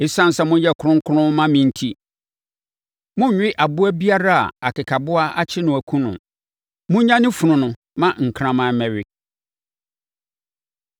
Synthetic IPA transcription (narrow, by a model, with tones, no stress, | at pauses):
ɪ˦sã˦n̩˨sɛ˦mʊ̃˦jɛ˦kʰʊ˦ɾʊ̃˦ŋ˦kʰʊ˦ɾʊ̃˦mã˦mɪ̃˨n̩˦tʰi˦ | mʊ̃˦ɲ̩˨ɥᶣɪ˦ʔa˨bʊ˦æ˦bi˦a˦ɾa˦a̰˨a̰˨kʰɪ˨kʰa˨bʊ˦a˦a˦t͡ɕʰɪ˦nʊ̃˨æ˨kʰũ˦nʊ̰̃˨ | mʊ̃˦ɲã˦nɪ̃˦fu˨nʊ̃˨nʊ̃˨ | mã˦ŋ̩˨kʰɾã˦mã˨˦mɛ̃˨ɥɪ˦